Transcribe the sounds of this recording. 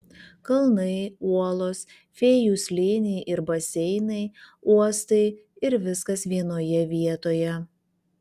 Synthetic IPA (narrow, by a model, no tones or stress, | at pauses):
kɐlˠnɐɪuɔlˠoːs | fʲɛːjuːsʲlʲeːnʲɛɪʔɪɾbɐsʲɛɪnɐɪuɔst̪ɐɪ | ɪɾʋʲɪskɐsʋʲiɛnoːjɛʋʲiɛt̪oːjɛ